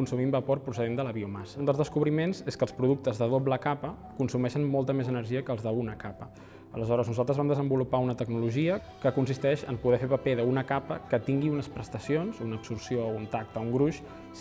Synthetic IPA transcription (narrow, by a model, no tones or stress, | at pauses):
kunsumimbəporpɾusəðend̪ələβiumasəund̪əlzðəskuβɾimenzeskəlˠspɾuðuk̚t̪əzðəð̞obləkapə | kunsumɛʃənmɔlˠt̪əmezənəɾʒiəkəlˠzðəunəkapə | ələzɔɾəznuzalˠt̪ɾəzβamd̪əzəmbulupaunət̪əɡnuluʒiə | kəkunsist̪ɛʃə̰mpuðɛfepəpeðəunəkapəkət̪iŋɡiunəspɾəst̪əsionzunəpsursiount̪ak̚t̪əuŋɡɾuʃ